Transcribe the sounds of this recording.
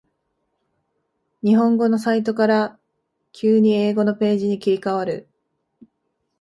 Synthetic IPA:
ɲ̟iɦõ̞ŋɡo̞no̞s̬ait̪̬o̞kaɾa | kʲʰɨːɲ̟ie̞ːɡo̞no̞pe̞ːʑiɲ̟ikʲiɾʲikaβaɾɯ̟

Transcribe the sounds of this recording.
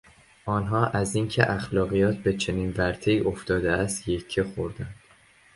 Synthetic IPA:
ʔɒːnɦɒːʔæziːncʰe̞̰ʔæxlɒːɣijɒːt̪̚ʰbe̞t͡ʃʰe̞niːnvæɾt̪ʰe̞iːʔoft̪ɒːd̪eæst̪jecʰːexoɾd̪ænd̪̥

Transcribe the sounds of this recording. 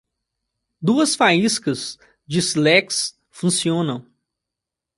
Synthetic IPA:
d̪uɐsfaiskɐz | d͡ʒɪslɛks | fũsiõnɐ̃w̃

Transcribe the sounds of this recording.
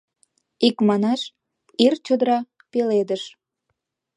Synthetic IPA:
ikmɑnɑʃ | irt͡ɕəd̪əɾɑ | peled̪əʃ

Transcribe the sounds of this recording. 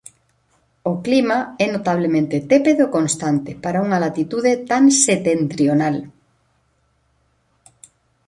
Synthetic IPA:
oklimaɛnot̪aβ̞lemẽnt̪et̪epeðokõnst̪ant̪epaɾauŋalat̪it̪uðet̪aŋset̪ent̪ɾjonal

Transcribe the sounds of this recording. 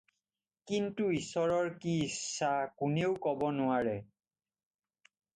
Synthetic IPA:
kintuisɔɹɔɹkiːsːakuneʊkɔbɔnʊaɹɛ

